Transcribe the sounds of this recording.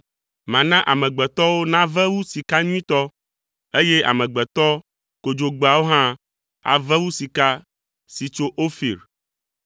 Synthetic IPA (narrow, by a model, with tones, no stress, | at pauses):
mã˨nã˦ʔa˨mɛ̃˨ɡ͡bɛ˨t̪ɔ˦wo˦nã˦vɛ˦wu˦si˨ka˦ɲũ˦ĩ˦t̪ɔ˦ | e˦je˦a̰˨mɛ̃˨ɡ͡bɛ˨t̪ɔ˦ | ko˨d͡ʒo˨ɡ͡ba˨wo˦ɦã˦ | a̰˨vɛ˦wu˦si˨ka˦ | si˨t͡ʃo˦ʔo˦fḭ˨ɾ